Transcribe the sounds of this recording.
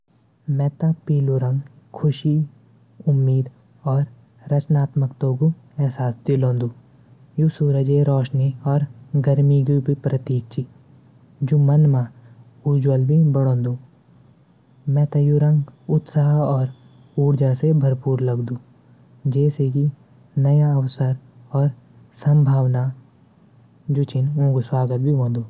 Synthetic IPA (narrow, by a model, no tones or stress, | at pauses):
mɛ̃ːt̪apiːluɾə̃ŋɡ | kʰʊʃi | ʊmːiːd̪ | ɔːɾ | ɾɐt͡ʃnaːt̪məkt̪oːɡu | ɛːsaːsd̪ilõːnd̪uː | jusuːɾəd͡ʒeɾɔːʃniɔːɾɡəɾmiɡibʱipɾət̪iːk̚t͡ʃi | d͡ʒumɐnmã | ud͡ʒwəlbʱibɐɽõːnd̪uː | mɛ̃ːt̪ɐ̃juɾə̃ŋɡʊt̪saːɦɔːɾ | uːɽd͡ʒasebʱɐɾpuːɾlɐɡd̪ũː | d͡ʒɛːseɡi | nɐjaɐwsəɾ | ɔːɾ | sɐ̃mbʱaːʋna | d͡ʒot͡ʃɪnõːɡoswaːɡət̪̚bʱiɦõːnd̪uː